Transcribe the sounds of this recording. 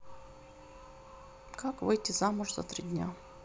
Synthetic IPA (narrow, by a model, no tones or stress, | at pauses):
kakvɨjtʲɪzamʊʐzɐ̰t̪ɾʲidʲnʲa